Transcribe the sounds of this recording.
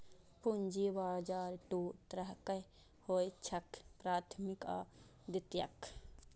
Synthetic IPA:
pund͡ʒibaːɾd͡ʒaːɾʈuːt̪ɾəɦkə | hoːjt͡ʃʰɐkpɾaːt̪ʰmika̰ː | d̪ɪt̪jɐ̰k

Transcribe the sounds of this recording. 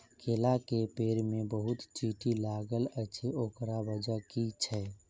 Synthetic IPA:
kʰeːlakepeːɾmẽbəɦʊt̪t͡ʃiːʈilaːɡələt͡ʃʰioːkɾabəd͡ʒakit͡ʃʰɛ

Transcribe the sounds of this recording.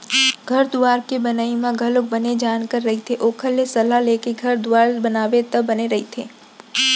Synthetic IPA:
ɡʱɐɾd̪ʊaːɾkebənaːimãɡʱɐlok̚bəned͡ʒaːnkəɾːɐɦit̪ʰeʔoːkʰəlːesɐlalekeɡʱɐɾd̪ʊaːɾbɐnaːʋet̪əbɐneɾɐɦit̪ʰeː

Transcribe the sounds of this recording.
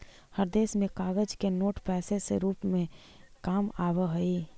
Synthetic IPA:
həɾd̪eːsmẽkaːɡəd͡ʒkenoːʈpɛːseseɾuːpmẽ | kaːmaːbəɦəi

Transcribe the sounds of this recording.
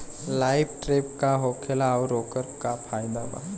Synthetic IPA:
laːɪbʈɾeːpkaɦoːkʰelaɾoːkəɾpkapʰaːjd̪aba̰

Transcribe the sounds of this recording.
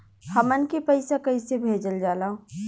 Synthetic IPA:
həmənkipɐɪsakɐisebʱeːd͡ʒəld͡ʒaːlaõ

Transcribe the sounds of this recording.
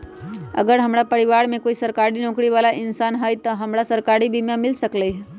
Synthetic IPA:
ə̰ɡəɾɦəmɾapəɾɪʋaɾmẽkoːisəɾkaɾinõːkɾiʋaːlaʔɪnsaːnɦəjt̪əɦəmɾasəɾkaɾibʱimãmɪlsəkləjɦ

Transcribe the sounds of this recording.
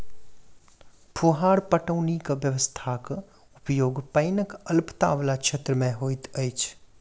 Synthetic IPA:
pʰuːɦaːɾpəʈəʊnikʋjəʋəst̪ʰak | ʊpjoːɡpəɪnəkəlpt̪a̰ːʋlakʃʰet̪ɾəmẽɦoːɪt̪əjt͡ʃʰ

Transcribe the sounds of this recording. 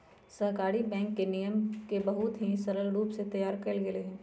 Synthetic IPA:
sɐɦkaːɾibɛ̃ːŋkːenijəmkebɐɦʊt̪ɦisɐɾəlɾuːpset̪ɐjaːɾkɐɾlɡɪleɦɛ̃ː

